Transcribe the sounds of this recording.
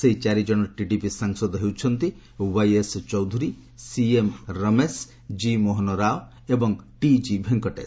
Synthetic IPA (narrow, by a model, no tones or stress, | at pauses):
seɦit͡ʃaɾid͡ʒɔɽ̃ɔʈiʈipisaŋsɔd̪ɔɦewt͡ʃʰɔnt̪i | wajest͡ʃɔwd̪ʱuɾi | siemɾəmes | d͡ʒimɔɦɔnɔɾao | ebɔŋʈid͡ʒibʱeŋkɔʈḛs